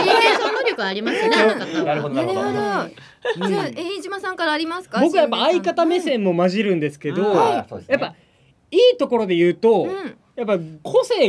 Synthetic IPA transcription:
sonːoɾʲo̞kɯ̟aːɾʲimasɨnenaɾɯod̪oaɾɾõ | eĩd͡ʑimasãŋkaɾaːɾʲimasɨ̥kabo̞kɯajapːaːikat̪ame̞sẽ̞mːo̞maʑiɾɯ̟̃nd̪e̞sɨ̥ke̞d̪o̞o̰ejappːa | iːt̪o̞ko̞ɾo̞d̪e̞jɯ̟ːt̪õ̞ | japːakʰo̞se̞ː

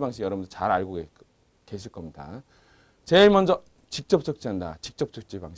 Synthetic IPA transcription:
baŋɕ̬ʰiɡjʌɾʌbundʰt͡ɕaɾaɭɡoɡe | keɕ̬ʰiɭk͈ʌmɲida̰ | t͡ɕe̞mʌnd͡ʑʌ | t͡ɕik̚t͡ɕ͈ʌp̚t͡ɕ͈ʌk̚t͡ɕ͈iɦandat͡ɕik̚t͡ɕ͈ʌp̚t͡ɕ͈ʌk̚t͡ɕ͈ibaŋɕ

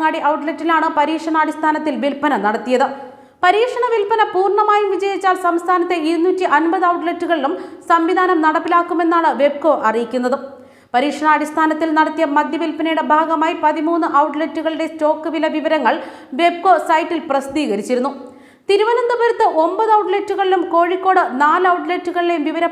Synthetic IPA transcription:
ŋaːɽiʔɐwʈletːilaːɳɨpɐɾiːkʂɐɳaːɽist̪ʰaːnɐt̪ːilʋilpɐnɐnɐɽɐt̪ːijɐðɨ | pɐɾiːkʂɐɳɐʋilpɐnɐpuːrɳɐmaːjumʋid͡ʑɐjit͡ɕːaːlsɐmst̪ʰaːnɐt̪ːe̞iɾunːuːtːiʔɐnbɐðɨɐwʈletːuɣɐɭilumsɐmʋid̪ʱaːnɐmnɐɽɐpːilaːkːume̞nːaːɳɨʋe̞b̚ko̞ːʔɐrijikʲːun̪ːɐðɨ | pɐɾiːkʂɐɳɐːɽist̪ʰaːnɐt̪ːilnɐɽɐt̪ːijɐmɐd̪ʱjɐʋilpɐnɐjuɽe̞bʱaːɡɐmaːjipɐðimuːnːɨʔɐwʈletːuɣɐɭiɽe̞sto̞ːkːɨʋilɐʋiʋɐɾɐŋːɐɭ | ʋe̞b̚ko̞ːsɐjʈːilprɐsd̪iːɣɐɾit͡ɕːiɾunːu | t̪iɾuʋɐnond̪ɐbɐɾɐt̪ːɨʔo̞mbɐðɨɐwʈletːuɣɐɭilumko̞ːɻikːo̞ːɽɨnaːlɐwʈletːuɣɐɭile̞jumʋiʋɐɾɐ

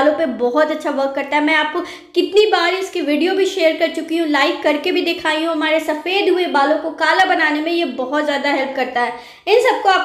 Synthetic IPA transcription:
lõpebɔɦɔt̪ɐtːʃʰaʋɐɾkːɐɾt̪aɦɛmɛ̃ːaːp̚ko | kɪt̪nibaːɾiʊskiʋiːɖijobʱiʃeːəɾkɐɾt͡ʃʊkiɦũlaːɪkːɐɾkebʱid̪eːkʰaːiɦũɦɐmaːɾesɐfeːd̪ɦʊebaːlõkokaːlabɐnaːnemẽjebɔɦɔt̪zjaːd̪aɦɛlp̚kɐɾt̪aɦɛː | ɪnsɐb̚koaːp

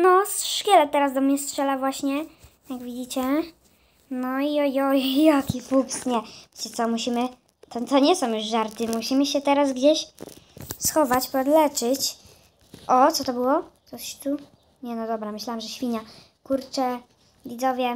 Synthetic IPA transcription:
nɔsʂkʲɛlɛt̪ɛɾazd̪ɔmɲɛstʂɛlavwaɕɲɛ | jaɡvʲid͡ʑit͡ɕɛ | nɔiɔjɔjjakʲifupsɲɛvʲjet͡ɕɛt̪sɔmuɕimɘ | t̪ɔt̪ɔɲɛsɔ̃juʐʐaɾt̪ɘmuɕimɘɕɛt̪ɛɾazɡd͡ʑeɕ | sxɔvat͡ɕpɔd̪lɛt͡ʂɘt͡ɕ | ʔɔt̪sɔt̪ɔbɘwɔt̪ɔɕt̪u | ɲɛnɔd̪ɔbɾamɘɕlawamʐɛɕfʲiɲa | kuɾt͡ʂɛ | vʲid̪zɔvʲjɛ

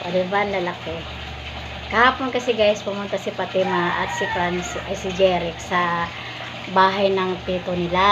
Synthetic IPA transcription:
wɛ̰d̪ɐbanlɐlɐkɛ | kɐhaːponkɐsɛɡajspʊmʊnt̪asipɐt̪ɛmaʔɐ̰t̪̚sɪfɾansʔɐjsɪd͡ʒɛːɾɪksɐ | baːɦɐjnɐŋp̪iːt̪onɪla

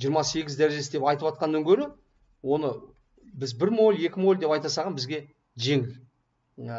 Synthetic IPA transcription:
ʒijəɾmɑse̞ɡʲɪzd̪æɾeʒe̞sɪd̪epɑjt̪əpɑt̪̚qɑnːɑŋkʲʰɵɾɪ | wo̞nə | bɪzbɪɾmo̞lʲe̞kʲɪmo̞lʲd̪e̞pɑjt̪ɑsɑʁɑnbɪzɡʲe̞ | ʒe̞ŋɪl

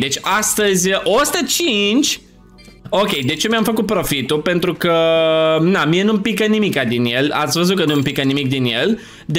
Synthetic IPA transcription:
d̪e̞t͡ʃʲast̪əzʲʔost̪ət͡ʃint͡ʃʲ | o̞kʲe̞jd̪e̞t͡ʃemjamfəkut̪̚pɾo̞fit̪upe̞nt̪ɾukə | namienumpikənimikad̪inje̞la̰t̪sʲvəzut̪̚kənumpikənimik̚d̪inje̞l | d̪

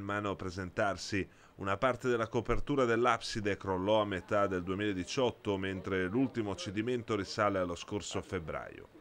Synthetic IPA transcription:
maːnoapɾezent̪arsi | unapart̪ed̪elːakopert̪uːɾad̪elːapsid̪ekɾolːɔamːet̪ad̪eld̪uemiːlaed̪it͡ʃɔt̪ːoment̪ɾelult̪imout͡ʃːed̪iment̪oɾisaːlealːoskorsofebɾa̰ːjo̰

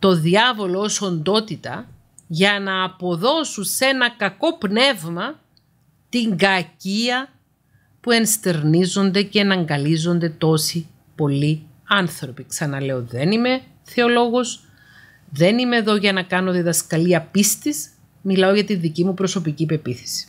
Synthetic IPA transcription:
t̪o̞ðiɐvo̞lo̞oso̞nd̪o̞t̪it̪ɐ | ʝɐnɐːpo̞ðo̞suse̞nɐkɐko̞pne̞vmɐ | t̪iŋɡɐciɐ | pue̞nst̪e̞ɾnizo̞nd̪e̞ceːnɐŋɡɐlizond̪e̞t̪o̞si | po̞li | ɐnθɾo̞piksɐnɐle̞oðe̞nime̞ | θeo̞lo̞ɣo̞s | ðe̞nime̞ːðo̞ʝɐnɐkɐno̞ðiðɐskɐliɐpist̪iz | milɐo̞ʝɐt̪inðicimupɾo̞so̞picipe̞piθe̥si̥

